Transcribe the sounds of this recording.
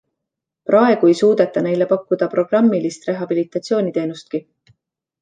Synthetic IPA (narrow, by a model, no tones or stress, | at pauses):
prɑe̞ɡ̥ue̞jsuːd̪̥e̞t̪ːˑɑne̞jle̞pɑkːud̪̥ɑpro̞ɡ̥rɑmːilist̪re̞ɦɑb̥ilit̪ːˑɑt̪sijo̞ːnʲit̪e̞ːnust̪̚ki